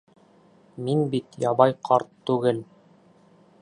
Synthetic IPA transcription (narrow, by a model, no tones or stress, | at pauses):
minbit̪jɑβɑjqʰɑɾt̪ːʉɡɘl